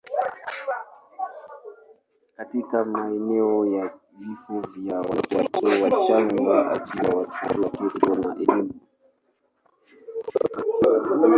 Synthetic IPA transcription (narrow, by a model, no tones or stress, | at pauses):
katikamaɛnɛɔja | vifɔvjawatatɔwat͡ʃaŋɡaʔa̰d͡ʒiwawat͡ʃaɾakiɔɗɔnaʔɛlimu